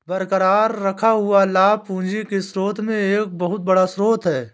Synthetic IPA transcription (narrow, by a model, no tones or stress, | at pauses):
bəɾkəɾaːɾːɐkʰaɦʊalaːpũːnd͡ʒekesɾoːt̪ʰmẽeːk̚bəɦʊt̪̚bɐɽasɾoːt̪ʰɦɛː